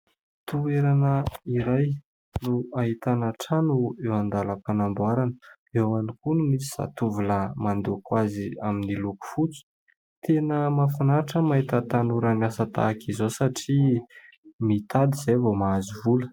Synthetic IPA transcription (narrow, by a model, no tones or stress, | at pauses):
t̪ueɾanəiɾaj | nuaɦit̪anaʈ͡ʂanuewand̪aləpanambuaɾanə̥ | ewanikunumisi̥z̥a̰t̪uvuləmand̪ukwaziaminiluku̥fut͡su̥ | t̪enəmafunaɾiʈ͡ʂəmaɦit̪ət̪anuɾanasət̪a̰kizosaʈ͡ʂi | mit̪ad̪izajvomaazuvulə̥